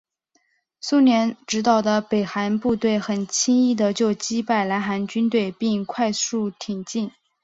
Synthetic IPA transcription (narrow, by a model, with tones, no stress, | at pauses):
su˥njɛ˧˥nʈ͡ʂɻ̩˧˥t̪ɑ˥˩ʊd̪ə˦pe˨˩ɪxa˧˥npu˥˧t̪we˥˩ɪxə˨˩nt͡ɕʰi˥ŋi˥˩d̪ə˩t͡ɕjo˥˩ʊt͡ɕi˥pa˥˩ɪla˧˥nxa˧˥nt͡ɕy˥nt̪we˥˧ɪpi˥˧ŋkʰwa˥˧ɪsu˥˩t̪ʰi˨˩ŋt͡ɕi˥˩n